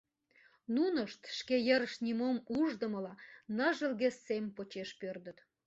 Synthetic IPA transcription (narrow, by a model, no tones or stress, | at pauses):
nunəʃt̪ʃkejəɾəʃnʲimomuʒd̪əməlɑnə̆ʒə̆lɣesːempot͡ɕeʃpørd̪ət̪